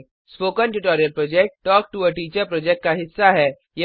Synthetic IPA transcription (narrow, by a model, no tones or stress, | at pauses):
spoːkə̃nʈuʈɔːɾijəlpɾɔːd͡ʒɛk̚ʈːɔːk̚ʈuəʈiːt͡ʃəɾpɾɔːd͡ʒɛk̚ʈ̚kaɦɪsːaɦɛ | je